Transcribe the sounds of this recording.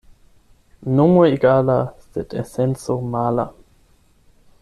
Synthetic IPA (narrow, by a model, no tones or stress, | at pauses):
nomuiɡaːlasɛtɛsɛnsomaːla̰